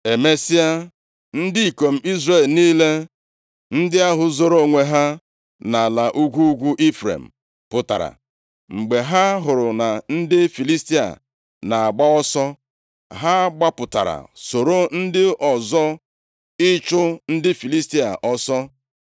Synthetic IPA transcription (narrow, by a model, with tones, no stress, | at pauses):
e˨me˦si˦a˦ | n̩˦dɪ˦i˨ko˨m̩˦i˦zɾe˦˨lniː˦le˦ | n̩˦dɪ˦a˦ɦʊ˨zo˨ɾo˦˨ŋʷe˨ɦa˦ | na˨la˨ʔu˦ɡʷu˦ɡʷu˦ʔi˦fɾḛ˨m̩˨ | pʊ˨ta̰˨ɾa̰˨ | ŋ͡m̩˨ɡ͡be˨ɦa˦ɦʊ˨ɾʊ˨na˨n̩˦dɪ˦fi˨li˦sti˦a̰˨ | na˨a˨ɡ͡ba˦ɔ˦sɔ˦ | ɦa˦ɡ͡ba˦pʊ˨ta̰˨ɾa̰˨so˨ɾo˦n̩˦dɪ˦ʔɔ˨zɔ˦ | ɪ˦t͡ʃʊ˦n̩˦dɪ˦fi˨li˦sti˦a̰˨ʔɔ˦sɔ˦